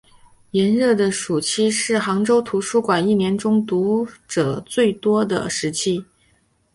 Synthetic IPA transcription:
jɛ˧˥nɻɤ˥˩d̪ə˩ʂu˨˩t͡ɕʰi˥ʂɻ̩˥˩xɑ˧˥ŋʈ͡ʂo˥ʊt̪ʰu˧˥ʂu˥kwa˨˩ni˥˩njɛ˧˥nʈ͡ʂʊ˥ŋt̪u˧˥ʈ͡ʂɤ˨˩t͡swe˥˩ɪt̪wɔ˥d̪ə̰˨ʂɻ̩˧˥t͡ɕʰi˥

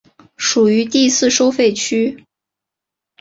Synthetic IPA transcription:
ʂu˨˩y˧˥t̪i˥˧sɹ̩˥˧ʂo˥ʊfe˥˩ɪt͡ɕʰy˥

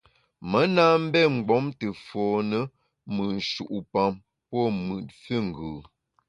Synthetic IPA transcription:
mə˨˦na˦m̩˦bɛ˦˨ŋ͡m̩˨ɡ͡bɔ˨˦mtə˨fɔː˨nə˦ | mɨ˨n̩˨ʃu˨ʔu˨pa˨m | pɔ˦˨mɯ˨t̚fə˦ŋ̩˨ɡʉː˨

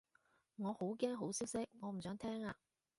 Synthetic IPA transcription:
ŋɔː˨˧ho˨˥wkɛː˥ŋɦo˨˥wsiː˥wsɪ˥k̚ŋɔː˨˧m̩˨˩sœː˨˥ŋt̪ʰɛː˥ŋaː˧

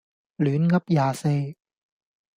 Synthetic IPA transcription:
lyː˨˥nkɐ˥p̚jaː˨se˧j

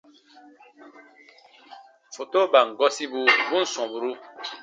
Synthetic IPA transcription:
fo˨to˦ba˨ŋ̩˨ɡɔ˦si˦bu˨bu˦n̩˨sɔ̃˨bu˨ɾu˦

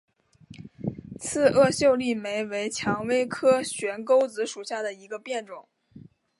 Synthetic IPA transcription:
t͡sʰɹ̩˥˧ʔɤ˥˧ɕjo˥˧ʊli˥˩me˧˥ɪwe˧˥ɪt͡ɕʰjɑ˧˥ŋwe˥ɪkʰɤ˥ɕɥɛ˧˥nko˥ʊt͡sɹ̩˧˥ʂu˨˩ɕja˥˩d̪ə˩i˧˥ɡə˧pjɛ˥˩nʈ͡ʂʊ˨˩˦ŋ

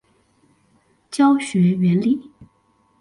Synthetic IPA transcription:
t͡ɕjɑ˥ʊɕɥɛ˧˥ɥɛ˧˥nli˨˩˦

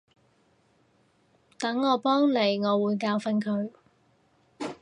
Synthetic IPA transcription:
t̪ɐ˨˥ŋːɔː˨˧pɔː˥ŋle˨˩jŋɔː˨˧wuː˨˧jkaː˧wfɐ˧nkʰɵ˨˧ɥ

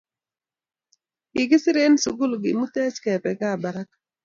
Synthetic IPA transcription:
ɪ˨ɡɪ˦sɪ˦ɾe˦nsu˨ɡʊ˦lɡɪ˨mu˦tɛ˦t͡ʃkɛ˨pɛ˨ka˦˨ba˨ɾa˦k

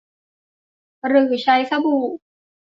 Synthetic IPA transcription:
ɾɯː˨˩t͡ɕʰa˧˥jsa˧buː˨˩k̚

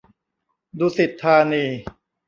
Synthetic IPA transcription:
duː˧si˨˩t̪ʰːaː˧niː˧

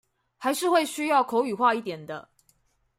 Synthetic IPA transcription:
xa˨˦ɪʂɻ̩˥˧xwe˥˨ɪɕy˥jɑ˥˨ʊkʰo˨˧˦ʊy˨˩xwa˥˧i˥˩t̪jɛ˨˩nd̪ə̰˦

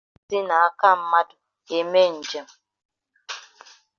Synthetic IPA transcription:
si˦na˨a˦ka˦m̩˨ma˦t | e˨me˦n̩˨d͡ʒe˨m

